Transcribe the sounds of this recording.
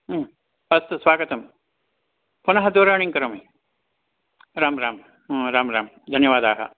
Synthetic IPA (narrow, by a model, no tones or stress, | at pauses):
ɐst̪ɐsʋaːɡɐt̪ɐm | pʊnɐɦɐd̪oːɾaːɳ̃iŋkɐɾɐmɐ | ɾaːmɾaːm | ɾaːmɾaːm | d̪ʱɐnjɐʋaːd̪aːɦɐ̰